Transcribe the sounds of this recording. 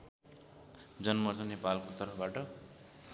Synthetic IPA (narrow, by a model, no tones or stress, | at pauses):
d͡zʌnmʌrt͡sʌnepalkot̪ʌrpʰʌbaʈʌ